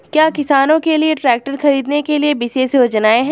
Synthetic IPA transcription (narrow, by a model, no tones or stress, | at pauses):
kjaːkɪsaːnõkelieʈɾɛːk̚ʈəɾxɐɾiːd̪nekeliebiseseod͡ʒɐnaːeɦɛ̃ː